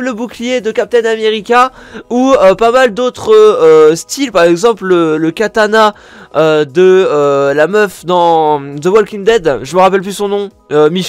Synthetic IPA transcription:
ləbuklijed̪əkap̚t̪ɛnameʁikʲãuøpamald̪ot̪χøst̪ilpaʁɛɡzɑ̃plələkat̪ana | ød̪əølamœfd̪ɑ̃d̪əwɔlkʲĩŋd̪ɛd̪ʒəməʁapɛlplysɔ̃nɔ̃ | ømiʃ

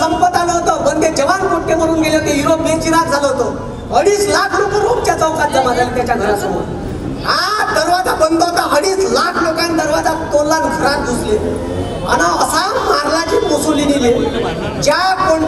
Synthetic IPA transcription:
əmpət̪aloɦot̪oməɾt̪ed͡ʑəʋankoʈʈːeməɽuːnɡeleɦot̪ejuɾopmet͡ɕiɾat̪̚d͡zʱaloɦot̪o | əɽiːslakʰlokəɾok̚t͡ɕjat͡səwkad̪ʱjəmad͡zajlet̪jat͡ɕaɡʱəɾasəmṵ | ad̪əɾʋad͡zabənd̪oɦot̪aɦəɽiːslakʰlokãnd̪əɾʋad͡zat̪onlakɡʱəɾat̪̚d̪usle | a̰naəsammaɾlad͡ʑiːtkusulinile | d͡ʑapə

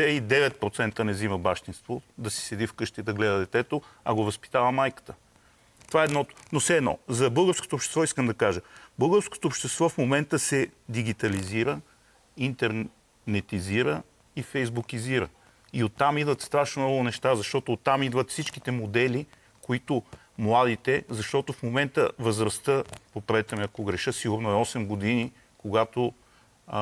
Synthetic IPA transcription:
ɛid̪ɛvɛt̪̚pɾot̪sɛnt̪ənɛziməbaʃt̪inst̪vod̪ɐsi̥sɛd̪ifkɤʃt̪id̪ɐɡlɛd̪əd̪ɛt̪ɛt̪oɐ̰ɡovəspi̥t̪avəmajkə̥t̪ə | t̪ovaɛd̪nɔt̪nofsɛːd̪nɔ̰zɐbɤlˠɡəɾsko̥t̪oːpʃt̪ɛ̥st̪vɔiskəmd̪ɐkaʒəbɤlˠɡəɾsko̥t̪oːpʃt̪ɛst̪vɔfmomɛnt̪əsɛd̪iɡ̟it̪ɐliziɾə | int̪ɛɾ | nɛt̪iziɾə | ifɛjzbukiziɾə̰ | iot̪ːamid̪vət̪st̪ɾaʃnomnɔɡʊnɛʃt̪azɐʃt̪ɔt̪oːt̪ːamid̪vət̪fsit͡ʃki̥t̪ɛmod̪ɛli | koit̪ʊ | mlˠad̪it̪ɛzɐʃt̪ɔt̪ʊfmomɛnt̪əvəzɾɐst̪əpopɾɛt̪əmiɐkoɡɾɛʃəsiɡʊɾnoɛɔsɛmɡod̪ini | koɡat̪o

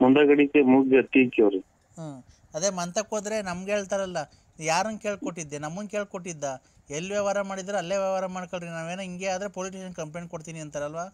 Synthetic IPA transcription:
mund̪ɐɡɐɽikemuːɡd͡ʒɐt̪ːikiɐɾe | aː | ɐd̪emɐnt̪ɐkoːd̪ɾe̞nɐmɡeːɭt̪aːɾɐlːɐ | jaːɾɐnke̞ːɭkoʈːid̪ːenɐmːɐnke̞ːɭkoʈːid̪ːa | elːʋjɐʋaːɾɐmaːɽid̪ɾeɐlːeːʋjɐʋaːɾɐmaːɖkoɭɾinaːʋeːnoiŋɡe̞aːd̪ɾe̞poːliʈiʃɐnkɐmplenkoɽt̪iːniɐnt̪ɐɾɐlʋaː

